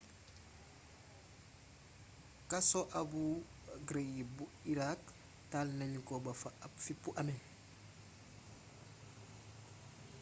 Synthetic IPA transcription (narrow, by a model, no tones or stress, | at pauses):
kasoʔɐbu | ɡɾeɡibuiɾak | talnɐɲkobɐfaɐpfipuʔɐme